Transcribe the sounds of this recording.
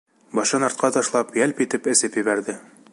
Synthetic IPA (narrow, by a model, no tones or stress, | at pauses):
bɒʃɤnɑɾt̪̚qʰɑt̪ɒʃlˠɑpjælpit̪ɘpɘ̆sɘpjɘ̆βæɾd̪ɘ